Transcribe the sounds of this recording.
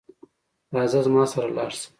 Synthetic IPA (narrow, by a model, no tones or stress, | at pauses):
ɾɑːzazmɑːsaɾalɑːɽsə̥m